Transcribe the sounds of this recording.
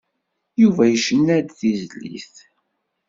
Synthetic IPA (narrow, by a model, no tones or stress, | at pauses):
juvæjəʃənːæd̪θizlḭθ